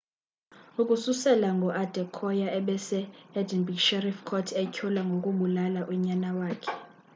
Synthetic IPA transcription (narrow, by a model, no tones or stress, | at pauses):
ukʼususɛlaŋɡʱɔʔad̥ʱɛkʰɔjaʔɛɓɛsɛɛdʱinbikʃɛrifkʰɔtʰɛkʰɔlaŋɡʱokʼuɓulalaʔuɲanawaːkʰɛ̥